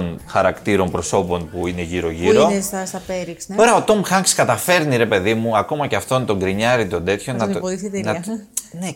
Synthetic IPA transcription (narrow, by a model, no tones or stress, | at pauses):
nxɐɾɐkt̪iɾo̞mpɾo̞so̞po̞npuine̞ʝiɾo̞ʝiɾo̞sst̪ɐpeɾiksoɾɐo̞t̪o̞mxɐŋkskɐt̪ɐfe̞ɾniɾe̞pe̞ðimuɐko̞mɐceɐft̪o̞nt̪o̞ŋɡɾiɲɐɾit̪o̞nd̪e̞t̪ço̞nɐθit̪nɐne